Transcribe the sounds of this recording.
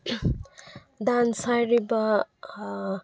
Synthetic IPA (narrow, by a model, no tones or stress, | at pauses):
d̪ansajɾiba